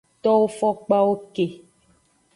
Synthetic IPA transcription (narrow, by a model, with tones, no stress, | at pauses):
t̪ɔ˦wo˦fɔ˦k͡pa˦wo˦ke˨